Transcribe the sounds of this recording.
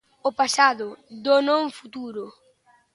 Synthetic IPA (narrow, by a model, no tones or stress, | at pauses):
ʊpasaðʊd̪onõŋfut̪uɾʊ